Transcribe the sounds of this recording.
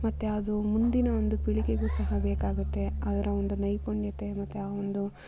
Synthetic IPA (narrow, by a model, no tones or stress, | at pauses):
mɐt̪ːeɐd̪umund̪inɐond̪upiɭiɡeɡuːsɐɦɐbeːkaːɡut̪ːe̞aːd̪ɐɾɐond̪unɐjpoɳjɐt̪e̞mɐt̪ːeaːʋond̪u